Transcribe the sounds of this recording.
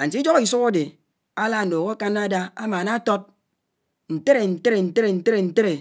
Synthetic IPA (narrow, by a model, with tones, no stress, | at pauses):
a˨n̩˨ti˦d͡ʒo˦ki˨s̬u˦ka˦de˨ | a˦la˦n̩˨do˨ɣo˦ka˦na˦da˦a˦maː˨na˦to˦t̚ | n̩˨te˦ɾe˨n̩˨te˦ɾe˨n̩˨te˦ɾe˨n̩˨te˦ɾe˨n̩˨te˦ɾe˨